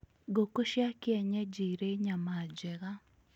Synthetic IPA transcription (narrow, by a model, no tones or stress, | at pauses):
ɡokoʃjakɪɛɲɛd͡ʒiɾeɲamad͡ʒɛɣa